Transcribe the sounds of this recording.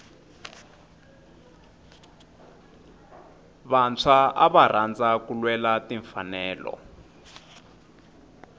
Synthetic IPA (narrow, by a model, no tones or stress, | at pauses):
βant͡sʰaʔaβarand͡zakulwɛlatiɱfanɛːlɔ̰